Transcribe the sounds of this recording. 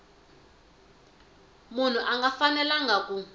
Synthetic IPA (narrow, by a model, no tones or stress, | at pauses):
mun̤uʔaŋɡafanɛlaŋɡʱak̬ʼu